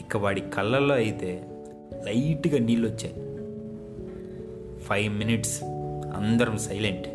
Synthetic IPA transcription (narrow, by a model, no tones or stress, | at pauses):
ikːɐʋaːɽikɐlːɐlːo̞ːɐjit̪e̞ː | lɐjʈɡaːniːlʋɐt͡ʃːaːji | pʰɐjʋminiʈsɐ̰nd̪ɐɾɐmsɐjleɳʈ